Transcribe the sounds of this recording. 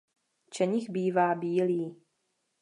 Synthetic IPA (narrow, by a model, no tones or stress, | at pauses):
t͡ʃɛɲɪxbiːvaːbiːliː